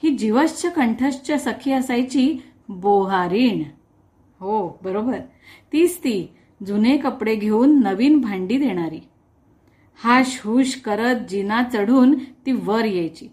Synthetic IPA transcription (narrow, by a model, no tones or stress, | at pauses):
hiːd͡ʑiʋəst͡ɕʰəkəɳʈʰəɕt͡ɕəsəkʰəəsajt͡ɕiː | boɦaɾiːɳ | ɦobəɾobəɾ | t̪iːst̪iː | d͡zunekəpɽeɡʱeuːnːəʋiːnbʱaɳɖiːd̪eɽ̃aɾiː | haɕɦuːɕkəɾət̪̚d͡ʑinat͡səɽ̤uːnt̪iːʋəɾjejt͡ɕiː